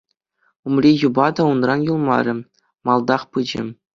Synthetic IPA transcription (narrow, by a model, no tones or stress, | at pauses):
umrʲijubɑd̪ɑunrɑnjulˠmɑ̰ɾʲɘ̆ | mɑlˠd̪ɑχpɯd͡ʑɘ̰̆